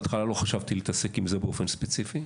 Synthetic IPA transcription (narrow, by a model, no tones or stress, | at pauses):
t̪χalalo̞χaʃavt̪iliːt̪ɐse̞kimzebeofe̞nspet͡sifi